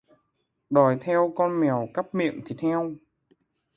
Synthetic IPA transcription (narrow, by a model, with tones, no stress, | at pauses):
ɗɔ˨˩jt̪ʰɛ˧wkɔ˧nmɛ˨˩əwka˦˥p̚mḭ˧˨əŋt̪ʰi˨˩t̪ʰɛ˧w